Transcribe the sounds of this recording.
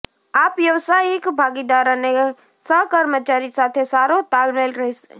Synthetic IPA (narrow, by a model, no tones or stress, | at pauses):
aːpjɐʋsaːiɪkbʱaːɡid̪aːɾãne | səkəɾmət͡ʃaːɾisaːt̪ʰesaːɾot̪aːlmelɾɐɦese